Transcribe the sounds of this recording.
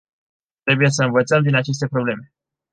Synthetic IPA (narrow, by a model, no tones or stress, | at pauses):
t̪ɾe̞buje̞s̬əɨnvət̪səmd̪inat͡ʃe̞s̬t̪e̞pɾo̞ble̞me̞